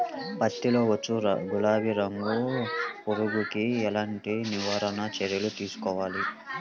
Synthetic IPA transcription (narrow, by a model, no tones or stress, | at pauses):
pɐt̪ːilo̞ːʋɐt͡ʃːuɾ̰ɡulaːʋiɾɐŋɡupuɾuɡukiɛlaːɳʈiniʋaːɾɐnɐt͡ʃɛɾjɐlut̪iːsu̥kɔːʋaːli